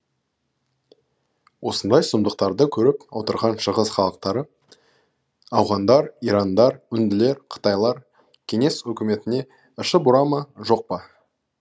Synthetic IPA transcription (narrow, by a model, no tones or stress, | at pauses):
wo̞sənd̪ɑjsʊmd̪əq̚t̪ɑɾd̪əkʲʰɵɾɪpwo̞t̪əɾʁɑnʃəʁəsχɑlˠəq̚t̪ɑɾə | ɑwʁɑnd̪ɑɾiɾɑnd̪ɑɾʏnd̪ɪle̞ɾqʰə̥t̪ɑjlˠɑɾ | kʲʰe̞ŋe̞swɵkʲɪme̞t̪ɪne̞ | ɪʃəbʊɾɑmɑʒo̞q̚pɑ